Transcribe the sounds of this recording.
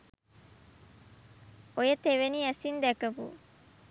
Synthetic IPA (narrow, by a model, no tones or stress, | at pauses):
ojɐt̪eʋeniɛsind̪ɛkɐpṵ